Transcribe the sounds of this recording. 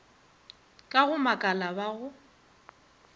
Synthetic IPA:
kʼaɣʊmakʼalabaɣʊ

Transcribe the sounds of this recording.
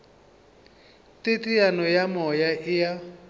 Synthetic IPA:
tʼetʼijanɔjamɔjaʔɪja

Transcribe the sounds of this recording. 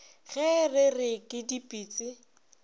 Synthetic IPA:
ɣɛrɪrɪkʼɪdipʼiːt͡sʼɪ

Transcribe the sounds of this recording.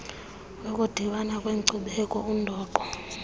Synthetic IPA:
wekʼud̥ʱiɓanakʼweǀuɓɛkʼɔundʱɔːǃɔ

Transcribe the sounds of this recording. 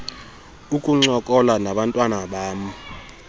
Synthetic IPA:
ukʼuŋ͡ǀɔkʼɔlanaɓantʼwanaɓaːmu

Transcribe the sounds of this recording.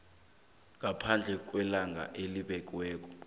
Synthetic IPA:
ŋapʰand͡ɮʱɛk̬ʼwɛlaŋɡʱa̰ʔeliɓɛkʼwɛːk̬ʼɔ̥

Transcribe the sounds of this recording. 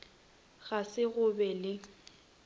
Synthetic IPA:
ɣasɪɣʊbɛlɪ

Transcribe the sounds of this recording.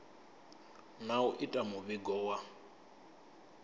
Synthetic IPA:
nauʔitʼamuβiɡɔːwa

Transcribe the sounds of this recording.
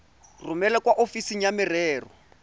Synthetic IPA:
rʊmɛlɛkwaʔofisiŋ̩jamɪrɛːrɔ

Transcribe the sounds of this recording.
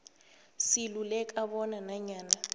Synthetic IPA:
silulɛkʼaɓɔnanaɲaːna

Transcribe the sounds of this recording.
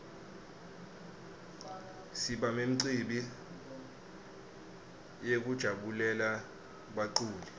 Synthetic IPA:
siɓamem̩ǀiɓi | jek̬ud̥ʒ̥ʱaɓulɛla | ɓaǀuːli

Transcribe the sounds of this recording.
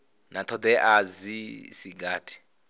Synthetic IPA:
nat̪ʰɔd̪ɛʔazisiɡaːtʰi̥

